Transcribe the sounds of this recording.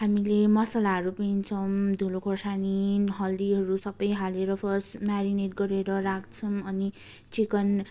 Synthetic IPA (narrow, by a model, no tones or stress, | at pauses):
hamilemʌsalaɦʌɾupent͡sʰʌmd̪ʱulokʰosaniɦʌld̪iɦʌɾusʌbʌjɦaleɾʌpʰʌsʈmaɾineʈɡʌɾeɾʌɾak̚t͡sʰʌmʌni | t͡sikʌn